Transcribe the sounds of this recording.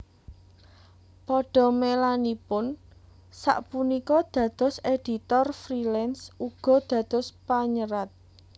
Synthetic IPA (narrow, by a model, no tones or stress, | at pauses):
pɔɖ̥ɔ̤melanipʊn | sa̰ʔpunikɔd̪̥ä̤d̪̥ɔ̤sed̪̥i̤t̪ɔrfɾilɛnsuɡ̥ɔ̤d̪̥ä̤d̪̥ɔ̤spaɲəɾat̪̚